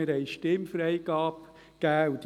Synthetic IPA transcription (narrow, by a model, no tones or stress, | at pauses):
ɪɾhɛɪʃtɪmfɾɛɪɡɑːp | ɡ̥æːut